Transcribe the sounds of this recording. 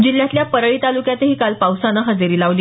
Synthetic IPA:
d͡ʑiljat̪ljapəɾəɭiːt̪alukjat̪eɦiːkalpawsanəɦəd͡ziɾiːlaʋliː

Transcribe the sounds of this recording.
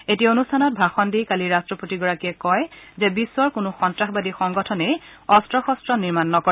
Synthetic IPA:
etionustʰanɔt̚bʱaxɔndijkaliɹastɹɔpotiɡɔɹakiɛkɔjzɛbisːwɔɹkʊnʊxɔntɹaxbadixɔŋɡɔtʰɔnejɔstɹɔxɔstɹɔniɹmanːɔkɔɛ

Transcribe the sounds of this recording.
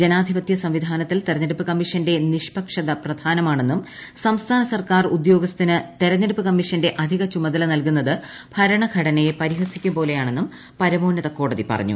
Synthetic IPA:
d͡ʑenaːd̪ʱibɐt̪jɐsɐmʋid̪ʱaːnɐt̪ːilt̪eɾɐnːeɾupːɨkɐmːiʂɐnde̞niʂpɐkʂɐðɐprɐd̪ʱaːnɐmaːɳe̞nːum | sɐmst̪ʰaːnɐsɐrkaːrud̪jo̞ːɡɐst̪inɨt̪eɾɐnːeɽupːɨkɐmːiʂɐnde̞ʔɐd̪ʱiɣɐt͡ɕumɐd̪ɐlɐnɐlkunːɐðɨ | b̥ʱɐɾɐɳɐɡʱɐɽɐnɐjepɐɾiɦɐsikʲːumpo̞ːle̞jaːɳe̞nːum | pɐɾɐmoːnːɐðɐko̞ːɽɐðipɐ̰rɐ̰ɲːṵ

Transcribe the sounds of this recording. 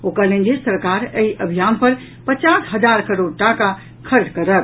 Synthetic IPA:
okəlẽnd͡ʒesəɾkaɾeiʔəbʱijanpəɾ | pət͡ʃasɦəd͡ʒaɾkəɾoɽ̚ʈaka | kʰəɾd̪kəɾəb̚

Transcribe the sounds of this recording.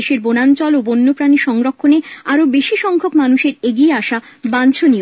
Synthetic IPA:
eʃeɾbonant͡ɕɔlobonːopɾaniʃɔŋɾokʰːoneaɾobeʃiʃɔŋkʰokmanuʃeɾeɡieaʃa | bant͡ɕʰoni

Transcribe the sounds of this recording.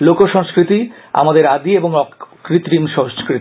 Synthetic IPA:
lokoʃɔ̃ŋskɾit̪i | a̰mad̪eɾad̪ieboŋɔkɾit̪ːɾimʃɔ̃ŋskɾit̪i

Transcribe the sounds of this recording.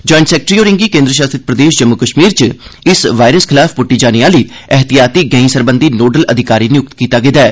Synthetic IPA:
d͡ʒɔːɪɳʈsɛːk̚ʈɾiːoːɾɪ̃ŋɡiːkẽːnd̪ɾəʃ̬aːst̪ɾɪt̪̚pɾəd̪eːʃd͡ʒəmːʊkəʃmiːɾt͡ʃɪsʋaːɪɾəskʰɪlaːfpʊʈːiːd͡ʒaːniaːliːɛɦt̪ijaːt̪iːɡɛːĩsəɾbənd̪iːnoːɖələd̪ʱɪkaːɾiːnɪjʊk̚t̪kiːt̪aːɡeːd̪aɛː

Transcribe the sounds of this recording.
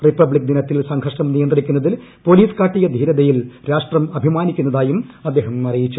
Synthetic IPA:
ripːɐbɭik̚d̪inɐt̪ːilsɐŋɡʰʱɐʂɳɐmnijɐnd̪rikʲːunːɐðil | po̞ːliːskaːʈːijɐd̪ʱiːɾɐðɐjilɾaːʂʈrɐmɐbʱimaːnikʲːunːɐðaːjumɐd̪ːeːɦɐmɐrijit͡ɕːu

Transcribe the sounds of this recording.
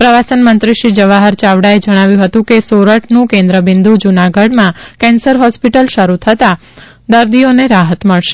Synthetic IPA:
pɾəʋasənmənt̪ɾiʃid͡ʒəʋaɦəɾt͡ʃaʋɽaed͡ʒəɽ̃aʋjũɦət̪ũkesoɾəʈʰnũkẽnd̪ɾəbɪ̃nd̪ud͡ʒunaɡəɽmãkɛ̃nsəɾɦɔspiʈəlʃəɾut̪ʰət̪a | d̪əɾd̪ioneɾaɦət̪məɭʃe̥

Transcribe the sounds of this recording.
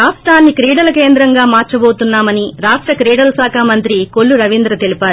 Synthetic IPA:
ɾaːʂʈɾaːnːikɾiːɽɐlɐkeːnd̪ɾɐŋɡaːmaːɾt͡ʃɐboːt̪unːaːmɐniɾaːʂʈɾɐkɾiːɽɐlsaːkʰaːmɐnt̪ɾikoɭːuɾɐʋind̪ɾɐt̪e̞lipaːɾu

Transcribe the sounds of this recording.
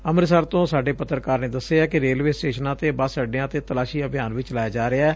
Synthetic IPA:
əmɾsəɾt̪õːsaːɖeːpət̪ːɾkaːɾneːd̪əseːaːkɪɾeːlʋeːsʈeːʃənãːt̪eːbəsəɖjãːt̪eːt̪əlaːʃiːəbijaːnʋɪt͡ʃlaːjaːd͡ʒaːɾɪaɛː

